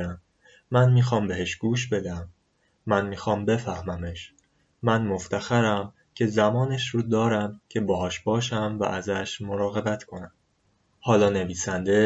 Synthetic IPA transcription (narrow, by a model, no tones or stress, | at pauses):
æmː | ænmiːxɒːmbe̞heʃɡ̥uːʃbe̞d̪æmː | ænmiːxɒːmbe̞fæhmæmeʃː | ænmo̞ft̪ʰæxæɾæm | cʰe̞zæmɒːneʃɾuːd̪ɒːɾæmcʰe̞bɒːɦɒːʃbɒːʃæmvæ̰ʔæzæʃmo̞ɾɒːɣe̞bæt̪ʰkʰo̞næm | hɒːlɒːne̞viːsænd̪e̞